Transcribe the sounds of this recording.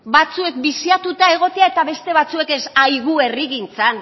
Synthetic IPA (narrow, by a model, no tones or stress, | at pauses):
bat͡sue̞k̚bisiat̪ut̪ae̞ɣ̞o̞t̪e̞ae̞t̪aβe̞st̪e̞β̞at͡sue̞kesajɣue̞riɣint͡san